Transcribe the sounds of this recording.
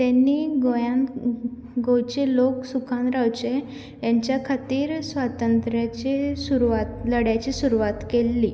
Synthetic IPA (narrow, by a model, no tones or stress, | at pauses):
t̪anːiːɡojãn | ɡowt͡ɕeloksukʰanɾawt͡ɕe | jãɲt͡ɕjakʰat̪iːɾsʋat̪ənt̪ɾjat͡ɕesuɾuʋat̪ləɽjat͡ɕisuɾuʋat̪kelːi